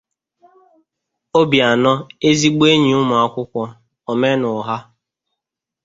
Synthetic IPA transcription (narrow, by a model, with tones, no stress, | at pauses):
o˦bja˨nɔ˦e˦zi˦ɡ͡be˦ɲi˨ʊ˦mʊ˨a˦kʷʊ˦kʷɔ˦ | ɔ˨me˦nʊ˨ɦa˦